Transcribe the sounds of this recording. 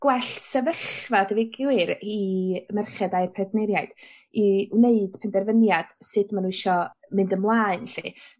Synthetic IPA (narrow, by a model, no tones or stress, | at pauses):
ɡ̥wɛɬsɛvəχvadəvɪɡwɨɾimɛrχɛdajrpʰɛbnɛɾjajd̥ | iwneɨd̥pʰɛndɛrvənjad̥sɨdmanuɪʃɔmɨndəmlˠaːɨnɬi